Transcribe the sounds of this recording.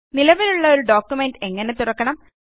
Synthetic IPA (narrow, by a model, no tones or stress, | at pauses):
nilɐʋiluɭːɐo̞ɾuɖoːkːjumeɳɖe̞ŋːɐne̞t̪urɐkːɐɳɐm